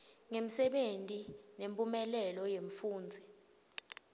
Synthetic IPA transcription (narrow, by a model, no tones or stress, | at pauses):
ŋem̩sɛɓentʼinempʼumɛlɛlɔjeɱfuːnd͡zʱi